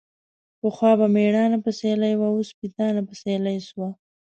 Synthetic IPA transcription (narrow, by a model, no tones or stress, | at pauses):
pəxwɑːbameɽɑnapəselajwaospit̪ɑnapəselajswa